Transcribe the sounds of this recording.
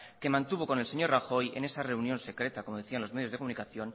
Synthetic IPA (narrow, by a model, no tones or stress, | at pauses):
ke̞mãnt̪uβ̞o̞konelse̞ɲo̞ɾraxo̞jḛne̞sare̞unjo̞nse̞kɾe̞t̪ako̞mo̞ðeθianlo̞zme̞ðjozðekomunikaθjo̞n